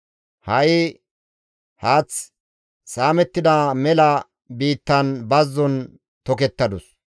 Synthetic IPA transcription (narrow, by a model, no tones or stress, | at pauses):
hɐʔɪ | haːt͡s | saːmɛt̪ːɪd̪ɐmɛlɐ | biːt̪ːɐnbɐzːɔn | t̪ɔkɛt̪ːɐd̪ʊs